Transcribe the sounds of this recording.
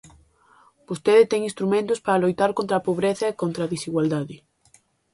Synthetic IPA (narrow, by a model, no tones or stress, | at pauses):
b̥ost̪eðɪt̪ɛŋĩnst̪ɾumẽnt̪ʊspaɾalojt̪aɾkõnt̪ɾapoβɾeθɐekont̪ɾaðisiɣwald̪aðɪ